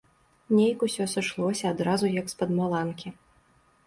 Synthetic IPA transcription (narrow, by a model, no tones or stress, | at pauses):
nʲejkusʲɔsʲɐʂlˠɔsʲɐːd̪ɾazujɐkspɐd̪malˠankʲi